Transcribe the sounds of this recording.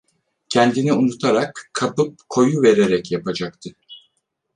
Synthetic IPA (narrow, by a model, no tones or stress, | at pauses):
cʰɛnd̪iniunut̪ʰaɾakkʰːapɯp̚kʰo̞juve̞ɾeɾɛcjapad͡ʒak̚t̪ʰɯ